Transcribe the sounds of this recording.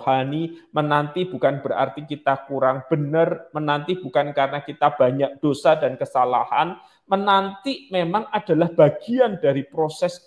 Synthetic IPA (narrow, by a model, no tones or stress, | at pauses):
hanimənant̪ibukanbəɾa̰rt̪ikit̪akuɾaŋb̥ənərmənant̪ib̥ukankaɾənakit̪ab̥aɲak̚d̥osadankəsala̰ha̰n | mənant̪imemaŋʔad̥a̤lahb̥aɡ̥iandaɾipɾosɛs